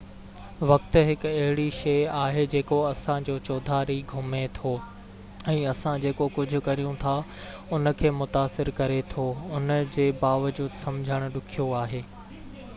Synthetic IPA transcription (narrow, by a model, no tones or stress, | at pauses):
ʋɐkt̪̆ɦɪkɐɦɪɽiʃeːaːɦed͡ʑeːkoɐsãd͡ʑoːt͡ɕoːd̪ʱaːɾiɡʱʊmet̪ʰo | ɛ̃ːɐsãd͡ʑeːkokʊd͡ʑʱʊ̆kɐɾijũt̪ʰa | ʊnə̆kʰeːmʊt̪aːsɪɾkɐɾet̪ʰoʊnəd͡ʑeːbaːʋəd͡ʑuːd̪sɐmd͡ʑʱəɽ̃ʊ̆ɗʊkʰijoaːɦeː